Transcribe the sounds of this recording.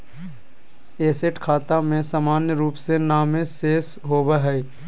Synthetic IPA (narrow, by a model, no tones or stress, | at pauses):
eːseʈkʰaːt̪amẽsaːmaːnjəɾuːpsenaːmẽseːs | ɦoːbəɦɛ